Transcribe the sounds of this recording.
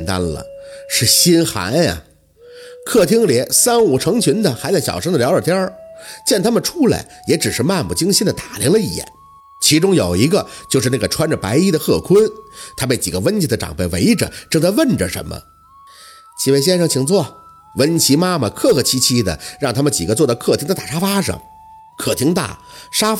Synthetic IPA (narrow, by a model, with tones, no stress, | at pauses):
nt̪a̰˥nlə̰˩ʂɻ̩˥˩ɕi˥nxa̰˧˥nɐ̰˨ | kʰɤ˥˩t̪ʰi˥ŋljɛ˧˥nsa˥nu˨˩ʈ͡ʂʰɤ˧˥ŋt͡ɕʰy˧˥nd̪ə˨xa˧˥t͡sa˥˩ɕjɑ̰˨˩ʂɤ˥ŋd̪ə˨ljɑ˧˥ʊə˞˨˩t̪ʰjə˥t͡ɕjɛ˥˩nt̪ʰa˥mə˨nʈ͡ʂʰu˥la̰˧˩ɪjɛ˧˥ʈ͡ʂɻ̩˨˩ʂɻ̩˥˧ma˥˧npu˨˩t͡ɕi˥ŋɕi˥nd̪ə˨t̪ḁ˨˩li˧˥ŋlə˧i˨˩jɛ̰˨˩˦n | t͡ɕʰi˧˥ʈ͡ʂʊ˥ŋjo˨˩ʊi˧˥ɡə˧t͡ɕjo˥˧ʊʂɻ̩˥˧na˥˩ɡə˩ʈ͡ʂʰwa˥nʈ͡ʂə˨˩pa˧˥ɪi˥d̪ə˨xɤ˥˩kʰʊ˥nt̪ʰa˥pe˥˩ɪt͡ɕi˨˩ɡə˦wə˥nt͡ɕʰi˧˥d̪ə˧ʈ͡ʂɑ̰˨˩ŋpe˥˩ɪwḛ˧˥ɪʈ͡ʂə̰˨ʈ͡ʂɤ˥ŋt͡sa˥ɪʋə˥˩nʈ͡ʂə˩ʂə̰˧˥nmə̰˧ | t͡ɕʰi˧˩we˥˩ɪɕ̬jɛ˥nʂɤ˧˩ŋt͡ɕʰi˨˩ŋt͡sʰwɔ˥˩ | wə˥nt͡ɕʰi˧˥ma˥mə˨kʰɤ˥˩xɤ˧˩t͡ɕʰi˧˥t͡ɕʰi˥d̪ə̰˨ɻɑ˥˩ŋt̪ʰa˥mə˨nt͡ɕi˨˩ɡə˦t͡swɔ˥˩d̪ə˧kʰɤ˥˩t̪ʰi˧˥ŋd̪ə˧t̪a˥˩ʂa˥fa˥ʂɤ̰˨˩˦ŋ | kʰɤ˨˩t̪ʰi˧˥ŋt̪a̰˥˩ | ʂa˥